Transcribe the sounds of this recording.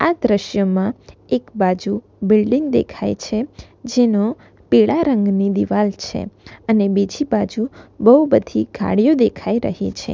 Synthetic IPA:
ad̪ɾəʃjəmãekbad͡ʒu | bɪlɖiŋɡd̪ḛkʰa̰jt͡ʃʰe | d͡ʒeno | peɭaɾəŋɡnid̪iʋalt͡ʃʰḛənebid͡ʒʱibad͡ʒubəɦubəd̪ʱiɡʱa̰ɽijod̪ekʰaiɾə̰ɦḛt͡ʃʰḛ

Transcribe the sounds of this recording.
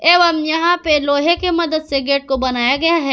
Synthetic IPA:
eːʋɐmjɐɦãpeloːɦekemɐd̪əd̪seɡeːʈ̚kobɐnaːjaɡɐjaɦɛː

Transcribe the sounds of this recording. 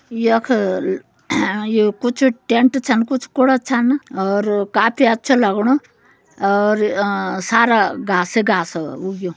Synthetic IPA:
jekʰ | jekut͡ʃʰʈeɳʈt͡ʃʰɐnkut͡ʃʰkʊɽat͡ʃʰɐnɔːɾkaːpʰiɐtːt͡ʃʰalɐɡɽ̃o | ɔːɾsaːɾaɡaːseɡaːsuɡjo

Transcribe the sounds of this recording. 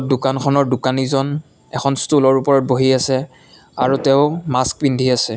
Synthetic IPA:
dukankʰɔnɔɹdukanizɔn | ɛkʰɔnstulɔɹupɔɹɔt̚boɦiasɛ | aɹutɛʊmask̚pindʱiasɛ

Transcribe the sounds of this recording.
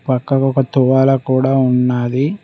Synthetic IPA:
pɐkːɐkɔkɐt̪uʋaːlɐkuːɽaːunːaːd̪i

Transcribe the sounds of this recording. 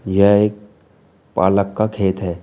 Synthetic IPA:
jɛɦeːk̚ | pa̰ːləkːakʰeːt̪ɦɛː

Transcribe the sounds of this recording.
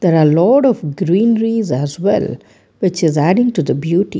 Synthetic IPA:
d̪̥eɾalɔːʈɔfɡɾĩːnɾizæzʋɛ̰l | ʋɪt͡ʃɪzæɖɪ̃ŋʈud̪əbjuːʈḭ

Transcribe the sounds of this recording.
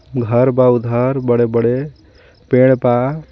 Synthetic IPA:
ɡʱəɾbaud̪ʱəɾbəɽebəɽe | peɽ̃pa

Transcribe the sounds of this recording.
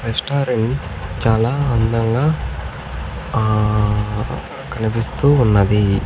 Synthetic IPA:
ɾesʈaːɾiɳt͡ʃaːlaːɐnd̪ɐŋɡaː | kɐnɐpist̪uːnːɐd̪i

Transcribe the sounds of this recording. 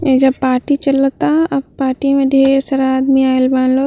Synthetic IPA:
ed͡ʒɐbpaːɾʈit͡ʃɐlot̪aɐbpaːʈimẽɖ̪ʱeːɡesɐɾaaːd̪miaːelbaːnlo

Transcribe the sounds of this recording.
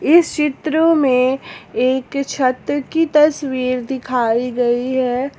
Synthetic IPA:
ɪst͡ʃɪt̪ɾõmẽeːkt͡ʃʰɐt̪ɾəkit̪ɐswiːɾd̪ɪkʰaːiɡɐiɦɛː

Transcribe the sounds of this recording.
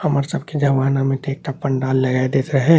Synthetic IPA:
hɐməɾsəb̚kid͡ʒɐʋaːnamẽʈeːk̚ʈapːəɳɖaːlːɐɡaːed̪eːt̪ɾɐɦɛ

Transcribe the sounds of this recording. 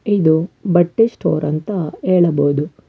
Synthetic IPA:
id̪ubɐʈːisʈoːɾɐnt̪ɐeːɭɐboːd̪u

